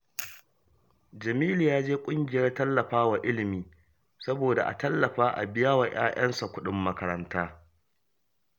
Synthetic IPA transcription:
d͡ʒɐ˨miː˦lu˨jaː˦d͡ʒeː˦kʷʼʊ˦ŋɡʲɪ˨jɐ˦rtɐ˦lːɐ˨ɸaː˦wa˨ʔɪ˦lɪ˨miː˨˦ | sɐ˦boː˨da˨ʔa̰˨tɐ˦lːɐ˨ɸaː˦ʔa̰˨bɪ˦jaː˦wa˨j̰aː˦j̰ɐ˦nsa˨kʷʊ˦ɗɪ˦mːɐ˦kɐ˦ɾɐ˦ntaː˦

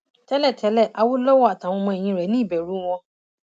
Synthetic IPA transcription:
tɛ˨˦lɛ˦˨tʰɛ˨˦lɛ˦˨ʔa˧wo˦lo˦wo˦a˨tã˨˦w̃ɔ̃˧mɔ̃˧e˨j̃ĩ˧ɾɛ˨˦nĩ˦i˦˨bɛ˨ɾu˨˦w̃ɔ̃˧

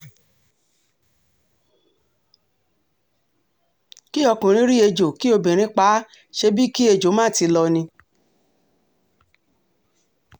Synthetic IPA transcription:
ki˦ɔ˧kũ˨ɾ̃ĩ˨˦ɾi˦e˧d͡ʒo˨ki˦o˧bĩ˨ɾ̃ĩ˨˦k͡pa˨˦ | ʃe˧bi˦ki˦e˧d͡ʒo˨˦mãː˦˨˦ti˧lɔ˧nĩ˧

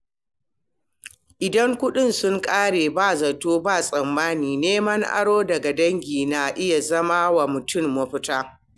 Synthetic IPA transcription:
ʔɪ˨dɐ˦ŋkʷʊ˦ɗɪ˦˨nsʊ˦ŋkʼaː˦ɽeː˨baː˦˨zɐ˨toː˦baː˦˨sʼɐ˨mːaː˦niː˨neː˦mɐ˦ŋʔa̰˦ɽoː˦dɐ˨ɡa˨dɐ˦ŋɡʲiː˨na˨ʔɪ˦ja˨zɐ˦maː˦wa˨mʊ˨tʊ˦˨mːɐ˦ɸʊ˦taː˦

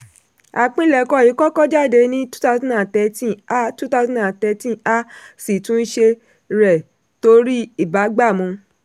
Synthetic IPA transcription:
a˨k͡pĩ˧˦˨lɛ˨kɔ˧˦˨i˨˦kɔ˦kɔ˦d͡ʒa˦˨de˧˦nĩ˦tu̥˦ta˧˦sã˦˨ã˨tɛ˨˧tĩ˦a˦tu˦ta˧˦sɔ̃˦˨ã˨tɛ˧tĩ˦a˦si˨tũ˦n̩˦ʃe˧ | ɾɛ˨ | to˧ɾi˦i˦˨ba˨˦ɡ͡ba˦˨mɔ̃˧

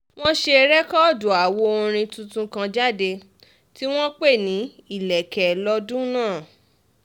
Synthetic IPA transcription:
w̃ɔ̃˦ʃe˧ɾɛ˦kɔ˦˨do˨a˨wo˧˦o˧ɾ̃ĩ˧tũ˧tũ˧kã˧d͡ʒa˦de˧ | ti˦w̃ɔ̃˦k͡pe˦˨nĩ˨˦i˦˨lɛ˨kɛ˨lɔ˦dũ˦nãː˦˨

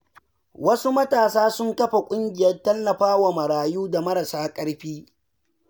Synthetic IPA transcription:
wɐ˦su˦mɐ˦taː˨saː˦sʊ˦ŋkɐ˦ɸa˨kʷʼʊ˦ŋɡʲɪ˨jɐ˦rtɐ˦lːɐ˨ɸaː˦wa˨mɐ˨ɽaː˨juː˦da˨mɐ˦ɾɐ˨saː˦kʼɐ˦ɽɸiː˦

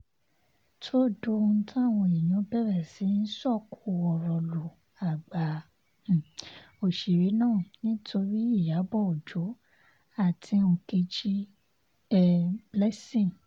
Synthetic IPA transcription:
tʰo˦do˧n̩˦tʰã˦˨w̃ɔ̃˧i˨j̃ɔ̃˨˦bɛ˦˨ɾɛ˦˨si˨˦n̩˦sɔ˦˨kʰu˨ɔ˨ɾɔ˧lo˨ | a˨ɡ͡ba˨˦˨ | o˨ʃi˨ɾi˨˦nãː˦˨nĩ˦tʰo˧ɾi˦i˦˨ja˨˦bɔ˦˨o˨d͡ʒo˨˦ | a˦˨tʰi˧˦o˧ke˧d͡ʒi˦ | ɛ˦˧blɛ˦sĩ˦˨

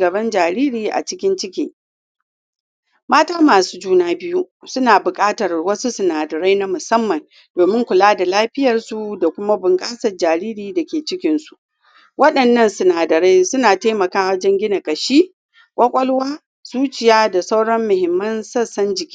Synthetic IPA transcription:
ɡɐ˨bɐ˦nd͡ʒaː˨ɾiː˦ɾiː˨ʔa̰˨t͡ʃɪ˦kʲɪ˦nt͡ʃɪ˦kʲiː˨ | maː˦taː˦maː˨su̥ː˦d͡ʒuː˦naː˦bɪ˦ju˦ | sʊ˦naː˨bʊ˨kʼaː˦tɐ˨rwɐ˦su˦sʊ˨naː˨dɐ˨ɾa˦jna˦mʊ˨sɐ˦mːɐ˨n | doː˨mɪ˦ŋkʷʊ˨laː˦da˨laː˦ɸɪ˦jɐ˨rsu˨da˨kʷʊ˦ma˦bʊ˨ŋkʼaː˦sɐ˨rd͡ʒaː˨ɾiː˦ɾiː˨da˨kʲeː˨t͡ʃɪ˦kʲɪ˦nsu̥˨ʔ | wɐ˦ɗɐ˨nːɐ˦˨nsʊ˨naː˨dɐ˨ɾa˦jsʊ˦naː˨taː˦mɐ˨kaː˦wɐ˦d͡ʒɛ˦ŋɡʲɪ˦na˨kʼɐ˨ʃiː˦ | kʷʼɐ˦kʷʼɔ˦lwaː˦ | z̥uː˦t͡ʃɪ˨jaː˦da˨sa˦wɽɔ˦mːʊ˨hɪ˨mːɐ˦nsɐ˦˨sɐ˦nd͡ʒɪ˨kʲi˦

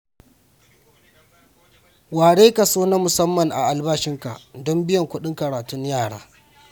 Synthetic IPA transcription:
waː˨ɽeː˦kɐ˨soː˦na˦mʊ˨sɐ˦mːɐ˨ŋʔa̰˨ʔa˨lbaː˦ʃɪ˦ŋka̰˨dɔ˦mbɪ˦jɐ˨ŋkʷʊ˦ɗɪ˦ŋkɐ˨ɽaː˨tʊ˦ɲjaː˦˨ɽa̰ː˦

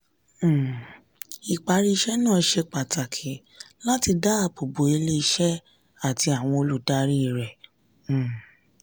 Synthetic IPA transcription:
i˨k͡pa˨˦ɾi˦˧ʃɛ˦nãː˦˨˦ʃe˧k͡pa˨ta˨kʰe˨˦ | la˦ti˧da˦a˦˨po˨bo˨˦e˧le˦i˧ʃɛ˦ | a˦˨ti˧a˨w̃ɔ̃˧o˧lu˦da˦ɾi˦˨ɾɛ̃˨

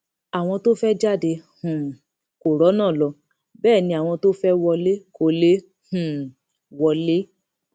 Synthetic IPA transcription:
a˨w̃ɔ̃˧to˦fɛ˦d͡ʒa˦˨de˧hũ˨ | ko˨ɾɔ˨˦nãː˦˨lɔ˧ | bɛː˦˨nĩ˧a˨w̃ɔ̃˧to˦fɛ˦wɔ˧le˦ko˧le˦ | hũ˨ | wɔ˧le˦

